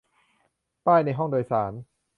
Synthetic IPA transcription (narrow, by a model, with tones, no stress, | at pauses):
t̪aː˥˩jna˧jɦɔ˥˩ŋdoː˧jsaː˩˦n